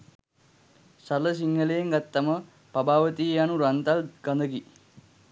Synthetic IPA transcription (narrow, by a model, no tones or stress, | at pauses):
saləs̬iŋːəlejeŋɡat̪ːamə | pabaːʋət̪ijanuɾant̪alɡ̥and̪əɡi